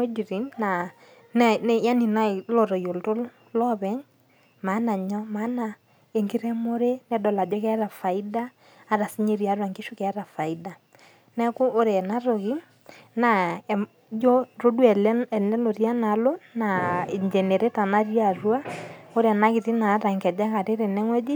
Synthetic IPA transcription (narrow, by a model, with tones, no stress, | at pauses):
o˦d͡ʒi˨ɾi˨˦nna˨ | n˦n˦ja˦ni˨na˦lɔ˨ɾɔ˨jo˨lto˦l | lɔ˦βɛ˦ɲ | ma˨˦na˨ɲɔ˦ma˦na˨ | e˨ŋɡi˦ɾɛ˦mo˦ɾe˦nɛ˦dɔ˨la˨d͡ʒɔ˦kɛ˦ɾa˨fa˨i˦daː˦ | ɾa˨si˦ɲe˦˨ɾja˨rwa˨ŋɡe˦ʃʊ˦kɛ˨˦ɾa˨fa˨i˦da˨ | nɛ˦kʊ˦ʔo˦ɾɛ˨na˦ɾo˨kɪ˦ | na˨ | d͡ʒɔ˦ro˦dwɛ˨lɛ˨nɛ˦lo˨rja˦na˨lo˦na˨ɪ˨ɲd͡ʒɛ˨nɛ˨ɾe˦ta˨na˦rja˨rwa˦o˦ɾɛ˨na˦kɪ˨ti˦na˨˦ɾa˨ŋkɛ˨d͡ʒa˦ka˨te˦ɾe˨nɛ˦ŋwɛ˦d͡ʒi˦